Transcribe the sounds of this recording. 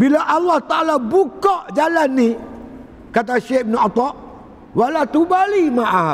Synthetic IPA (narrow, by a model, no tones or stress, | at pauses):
bilaʔalːaht̪aʔalabukɔʔd͡ʒalanːi | kat̪̬aʃehbnɔt̪ɔʔ | walat̪ubalimaʔa